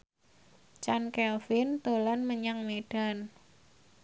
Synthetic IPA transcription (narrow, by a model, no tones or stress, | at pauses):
t͡ʃankɛlfɪnt̪olanməɲaŋmeɖ̥a̤n